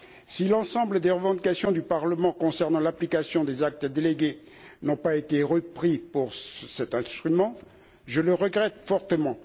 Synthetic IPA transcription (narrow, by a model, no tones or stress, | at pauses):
silɑ̃sɑ̃bləd̪eʁəvɑ̃d̪ikasjɔ̃d̪ypaʁləmɑ̃kɔ̃sɛʁnɑ̃laplikasjɔ̃d̪ezak̚t̪əd̪eleɡʲe | nɔ̃paet̪eʁəpχipuʁsɛt̪ɛ̃st̪χymɑ̃ | ʒələʁəɡʁɛt̪fɔʁt̪əmɑ̃